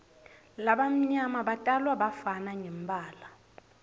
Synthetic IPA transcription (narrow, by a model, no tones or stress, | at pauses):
laɓam̩ɲamaɓatʼalwaɓafanaɲɛm̩bʱʼaːla